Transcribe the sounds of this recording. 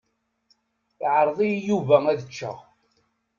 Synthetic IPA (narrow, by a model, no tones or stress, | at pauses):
iʕəɾˤðˤijjuvææðət͡ʃːəʁ